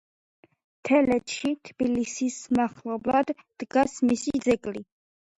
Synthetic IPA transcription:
t̪ʰɛlɛt̪ʃit̪ʰb̥ilisismaχlɔblad̪ːd̪̥ɡasmisid̪zɛkʼli

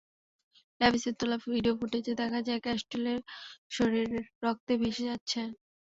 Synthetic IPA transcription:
lɛbiseɾt̪olafbʱiɖiofuʈet͡ɕed̪ɛkʰad͡ʑaekɛsʈoleɾʃoɾeɾːɔk̚t̪ebʱeʃed͡ʑatːɕʰe

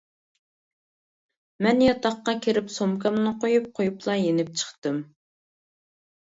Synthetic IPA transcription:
mɛnjɑt̪ʰɑχqɑkʲʰeɾɪpsomkʰɑmnɨqʰojup̚qʰojuplˠɑjenɪp̚t͡ʃʰə̥χt̪ɨm

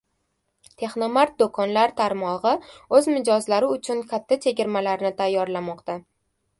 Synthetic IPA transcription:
t̪ʰe̞χnomaɾt̪̚d̪okʰɒnlaɾt̪ʰaɾmɒʁɨɵzmɪd͡ʒɒzlaɾɪʊt͡ʃʰʊnkʲʰat̪ʰːat͡ʃʰe̞ɡʲɪɾmalaɾnɪt̪ʰajːɒɾlamɒqt̪a

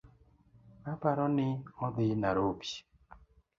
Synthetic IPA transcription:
mapaɾɔnɪɔd̪ɪnaɾopi̥

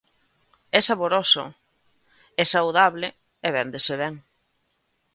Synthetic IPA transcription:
ɛsaβoɾoso̰ | ɛsawðaβlɪ | eβɛnd̪eseβɛŋ

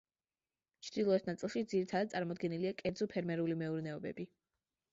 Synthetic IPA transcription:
t͡ʃʰd̪̥ilˠɔɛsnat̪sʼilˠʃid̪ziɾit̪ʰad̪ad̪t̪sʼaɾmɔd̪ɡɛniliakʼɛɾd̪zɔpʰɛɾmɛɾulimɛuɾnɛɔbɛ̰bi

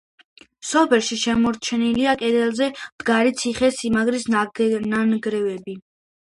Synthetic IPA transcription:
sɔpʰɛlˠʃiʃɛmɔɾt͡ʃʰɛniliakʼɛd̪ɛlˠzɛmd̪̥ɡaɾit̪sʰiχɛsimaɡɾisnananɡɾɛvɛbi

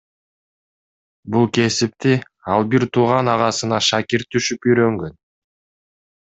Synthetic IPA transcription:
bulˠke̞sip̚t̪i | ɑlˠbiɾt̪ʰuːʁɑnɑʁɑsɯnɑʃakiɾt̪ʰːyʃypyjɾø̞ŋɡø̞n

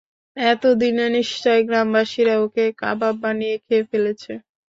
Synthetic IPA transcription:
ɛt̪od̪ineniʃt͡ɕɔeɡɾambaʃiɾaokeka̰bab̚banijekʰeefelet͡ɕʰe

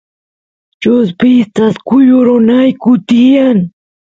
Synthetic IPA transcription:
t͡ʃʊspɪst̪askʊjʊɾʊnajkʊt̪ɪjaŋ

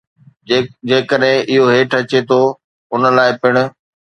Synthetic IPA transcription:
d͡ʑeːkəɗɦɪ̃ʔɪɦoɦeːʈʰɐt͡ɕet̪ʰo | ʊnəlaːɪpɪɽ̃ʊ̆

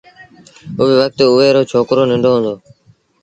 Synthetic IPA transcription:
ʊʋeːʋək̚t̪ʊʋeːɾoːt͡ʃʰoːkɾoːnɪ̃ɳɖʱoːɦõnd̪oː

